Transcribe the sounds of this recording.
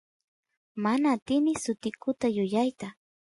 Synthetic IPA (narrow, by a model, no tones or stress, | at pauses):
manaːt̪ɪmɪsʊt̪ɪkʊt̪ajʊjajt̪a